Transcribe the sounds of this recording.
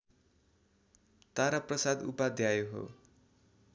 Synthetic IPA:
t̪aɾaprʌsad̪ṵpad̪ʱjajoɦo̰

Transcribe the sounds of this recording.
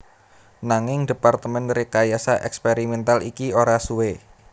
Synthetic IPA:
naŋɪŋd̪̥e̤part̪əmɛnɾekajasaʔɛkspeɾimɛnt̪alikioɾasuwe

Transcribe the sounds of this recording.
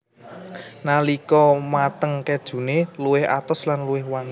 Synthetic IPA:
nalikɔmat̪əŋkɛd̥ʒ̥ṳneluwɪha̰t̪ɔslanluwɪhwaŋ

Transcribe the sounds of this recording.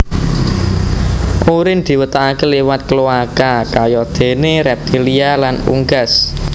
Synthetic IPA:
ʔuɾɪnd̪̥i̤wət̪aakelewat̪̚kəluakakajɔd̪̥e̤neɾɛp̚t̪ilialanṵŋɡas

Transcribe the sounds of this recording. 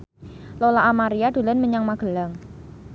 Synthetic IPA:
lolaʔːmaɾiad̥o̤lanməɲaŋmaɡ̥ə̤laŋ

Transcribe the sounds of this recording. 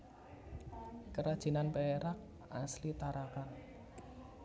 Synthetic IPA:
kəɾad̥ʒ̥i̤nanpeeɾak̚ | aslit̪aɾakan

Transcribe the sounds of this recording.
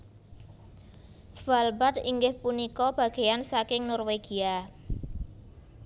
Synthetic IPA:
sfalbat̪iŋɡɪhpunikɔb̥ä̤ɡ̥ejansakɪŋnɔrweɡ̥i̤a

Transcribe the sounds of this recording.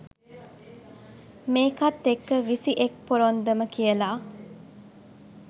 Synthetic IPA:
meːkat̪ːekːəʋisiʔek̚poɾond̪əməkijəlaː

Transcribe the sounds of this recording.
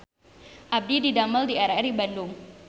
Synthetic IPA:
ʔab̚dididaməldiaɾaribandʊŋ

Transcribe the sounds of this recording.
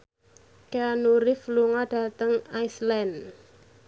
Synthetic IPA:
keanuɾɪfluŋad̥a̤t̪əŋajslɛn

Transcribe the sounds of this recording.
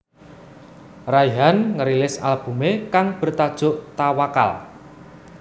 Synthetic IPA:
rajɦanŋəɾilɪsa̰lb̥ṳmekaŋb̥ə̤rt̪ad̥ʒ̥ʊ̤ʔt̪awaka̰l

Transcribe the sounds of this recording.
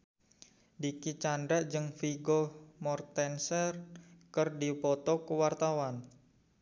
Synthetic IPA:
dikit͡ʃandaʔd͡ʒɨŋfiɡɔmɔrt̪ɛnsərkərdipɔt̪ɔkəwart̪awan

